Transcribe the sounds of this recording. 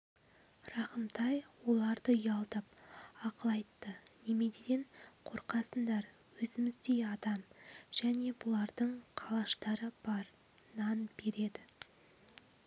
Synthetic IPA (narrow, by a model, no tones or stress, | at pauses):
rɑχəmt̪ʰɑjwo̞lˠɑɾd̪əjɑlˠt̪ɑp̚ɑqəlˠɑjt̪ːəne̞me̞d̪ed̪eɴqʰo̞ɾqɑsənd̪ɑɾ | wɵzɪmɪzd̪e̞jɑd̪ɑmʒ̥æne̞bʊlˠɑɾd̪əɴqʰɑlˠɑʃt̪ɑɾəb̥ɑɾ | nɑnbe̞ɾe̞d̪ɪ